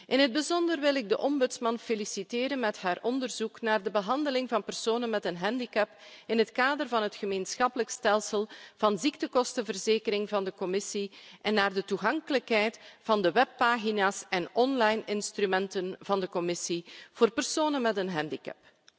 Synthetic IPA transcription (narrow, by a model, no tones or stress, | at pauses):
ʔɪnɦəd̚bəzɔndərʋɪlɪɡ̚dəʔɔmbɵtsmɑnfelisiteːɾənmɛtɦaːrʔɔndərzuknaːrdəbəɦɑndəlɪŋvɑnpərsoːnənmɛtənɦɛndikɛpɪnɦətkaːdərvɑnɦətxəmeːnsxɑpələkstɛlˠsəlˠv̥ɑnziktəkɔstəvərzeːkəɾɪŋvɑndəkɔmɪsiʔɛnːaːrdətuɣɑŋkələkɦɛjtvɑndəwɛpːaːɣinaːsɛnɔnlɑjnɪnstrymɛntənvɑndəkɔmɪsiv̥oːrpərsoːnənmɛtənɦɛndikɛ̰p